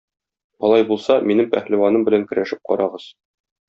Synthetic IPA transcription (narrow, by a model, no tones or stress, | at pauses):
ɒlˠɑjbulˠsɑminɘmpæ̰χliwɑnɤmbɘ̆læŋkɵ̆ɾæʃɘp̚qɒ̰ɾɑʁɤz̥